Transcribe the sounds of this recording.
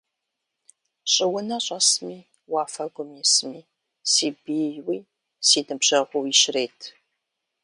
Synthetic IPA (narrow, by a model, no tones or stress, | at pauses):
ɕʼɪwʊnɐɕʼɐsmiː | waːfɐɡʷʊmjɛsmiː | siːbiːjwiː | siːnɨbʑ̥ɐʁʷʊwjɪʃreːtʰ